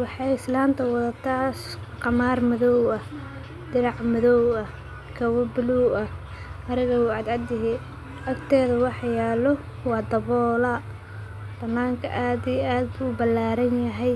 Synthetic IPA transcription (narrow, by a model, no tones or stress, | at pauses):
wɑħɑjɪslaːnt̪ʰɐwɑðɐt̪ʰaːsqɑmaːrmɐðɔwɐh | d̪̥ɪɾɑʕmɐðɔwɐ | kʰɐwɐbʊluɐ | ʔɐɾɪɣɐwuːʕɑd̪ʕɑd̪ɪɦɛ | ʔɐkt̪ʰɛːðɐwɑħjaːlɔ | wɑːd̪ɐβɔːlɐ | d̪̥ɐmaːŋkʰɐ̰ʔaːd̪ijʔaːd̪̚buːbɐlːaːɾɐnjɐɦɛj